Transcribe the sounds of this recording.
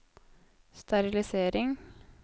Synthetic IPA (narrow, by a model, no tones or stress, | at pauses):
st̪ɑɾɪlɪseːɾɪŋ